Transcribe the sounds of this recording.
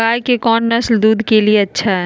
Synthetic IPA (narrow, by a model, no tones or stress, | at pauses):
aːjkekɔːnːɐsld̪uːd̪ʱkelieɐtːʃʰaɦɦɛ